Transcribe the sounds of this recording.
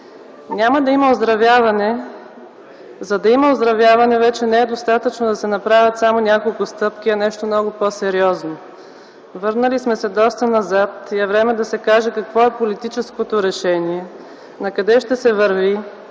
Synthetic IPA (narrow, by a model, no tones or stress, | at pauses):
nʲamɐd̪ɐimɐozd̪ɾɐvʲjavɐnɛ | zɐd̪ɐimɐozd̪ɾɐvʲjavɐnɛvɛt͡ʃɛnɛɛd̪ost̪at̪ət͡ʃnod̪ɐsɛnɐpɾavʲjət̪samonʲakolˠkʊst̪ɤpkʲiɐnɛʃt̪omnɔɡʊposɛɾiɔzno | vɤɾnəlismɛsɛd̪ɔst̪ənɐzat̪iɛvɾɛmɛd̪ɐsɛkaʒɛkɐkvɔɛpolit̪it͡ʃɛskot̪oɾɛʃɛniɛ | nɐkɐd̪ɛʃt̪ɛsɛvəɾvi